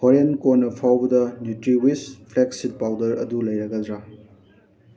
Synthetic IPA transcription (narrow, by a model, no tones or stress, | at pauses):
hoɾenkoɾnɐpʰawbɐdɐnutɾiwispʰleksid̚pawdɐɾɐ̰dulɐjɾɐɡɐdɾa